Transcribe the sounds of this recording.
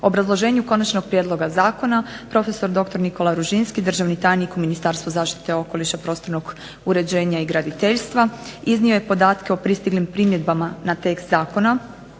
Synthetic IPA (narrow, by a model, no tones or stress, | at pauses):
oobɾazlˠo̞ʒe̞ːɲuko̞nat͡ʃno̞ɡ̚pɾje̞d̪lˠo̞ɡazaːko̞napɾo̞fe̞so̞ɾd̪o̞kt̪o̞ɾniko̞laɾuʒinskid̪r̩ʒaʋnit̪aːjnikuminist̪aːɾst̪ʋozaːʃt̪i̥t̪eo̞ko̞liʃapɾo̞st̪o̞ɾnoɡ | uɾe̞d͡ʑe̞ːɲaiɡɾad̪it̪e̞ʎst̪ʋaiznio̞jepo̞d̪aːt̪ke̞o̞pɾist̪iɡlimpɾimje̞d̪bamanat̪e̞kst̪zaːko̞na